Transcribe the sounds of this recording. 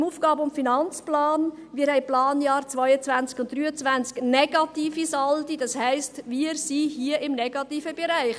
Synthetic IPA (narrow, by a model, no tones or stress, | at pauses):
muːfɡ̥ɑːbəʊntfinɑnt͡splɑːnmiːəhɛɪplɑːnjɑːɾt͡sʋɔʏət͡sʋænt͡skʊnt̚d̥ryːət͡sʋænt͡sknɛɡɑtiːfisɑldid̥ɑshɛɪstʋiəɾsiɦiəʔɪmnɛɡ̥ɑtiːfəbɛɾæɪχ